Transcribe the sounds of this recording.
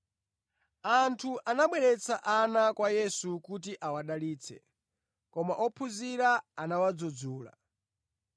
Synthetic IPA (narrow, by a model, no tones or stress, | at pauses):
antʰuʔanaɓwɛɾɛt͡sʰa̰ʔanakwajɛsukut̬iʔawaɗaliːt͡sʰɛ̰ | kɔmaʔɔpʰuziɾaːnawad͡zɔd͡zuːla̰